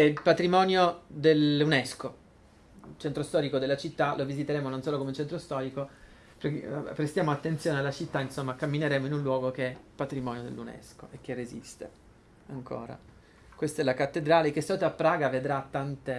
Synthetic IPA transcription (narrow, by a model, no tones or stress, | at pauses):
ɛpat̪ɾimɔːnjod̪elunɛsko | t͡ʃɛnt̪ɾost̪ɔːɾikod̪elːat͡ʃit̪ːalʔovizit̪eɾeːmononsoːlokomeut͡ʃɛnt̪ɾost̪ɔːɾiko | ppːɾest̪jaːmoat̪ːent̪sjoːnealːat͡ʃit̪ːainsomːakamːineɾeːmoinunlwɔːɡok̟eɛpːat̪ɾimɔːnjod̪ḛlːunɛ̰sko̰ʔek̟ːerːezḭst̪ḛ | aŋkʰo̰ːɾa̰ | kwest̪ɛlakat̪ːed̪ɾaːlek̟est̪auːt̪apːɾaːɡaved̪ɾat̪ːant̪e